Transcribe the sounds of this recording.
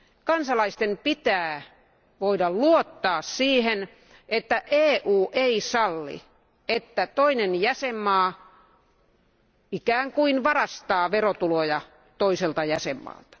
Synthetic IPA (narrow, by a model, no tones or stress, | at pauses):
kɑnsɑlɑist̪empit̪æː | ʋoidɑlluot̪ːɑːssiːhen | et̪ːæʔeːʔuːʔeisɑlːḭ | et̪ːæt̪oinenjæsemːɑː | ikæːŋkuinʋɑrɑst̪ɑːʋerot̪ulojɑ | t̪oiselt̪ɑjæsemːɑ̰ːlt̪ɑ̥